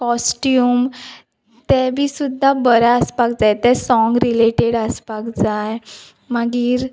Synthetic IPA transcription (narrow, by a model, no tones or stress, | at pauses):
kɔsʈium | t̪ɛbʱiːsud̪ʱːabəɾaəspak̚d͡zajt̪ɛsɔ̃ŋɡɾileʈeɽəspakd͡zaj | maɡiːɾ